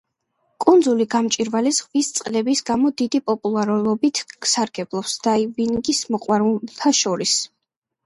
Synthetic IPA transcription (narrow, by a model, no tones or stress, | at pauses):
kʼund̪zuliɡamt͡ʃʼiɾvalizʁvist̪sʼqʼlɛbisɡamɔd̪id̪ipʼɔpʼulˠaɾlˠɔbit̪ʰksaɾɡ̥ɛblˠɔpsd̪̥aivinɡismɔqʼwaɾut̪ʰaʃɔɾis